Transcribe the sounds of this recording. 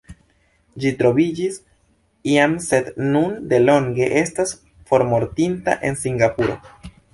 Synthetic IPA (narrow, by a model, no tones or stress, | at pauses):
d͡ʒitɾo̞bid͡ʒis | iamse̞d̪nunde̞lo̞ŋɡe̞ʔe̞stas | fo̞ɾmo̞ɾtinta̰ʔe̞nsiŋɡapuɾo̞̰